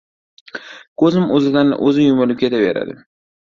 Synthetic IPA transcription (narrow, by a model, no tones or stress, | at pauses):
kʰɵzɪmɵzɪd̪anʔɵ̰zɪjʊmɪlɪp̚kʲet̪ʰabḛɾa̰d̪ɪ̰